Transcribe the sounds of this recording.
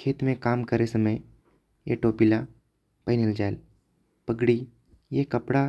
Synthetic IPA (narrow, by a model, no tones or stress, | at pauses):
kʰeːt̪mẽkaːmkəɾesəməj | jeʈoːpila | pəɦnild͡ʒaːel | pəɡɽi | jekɐpɽa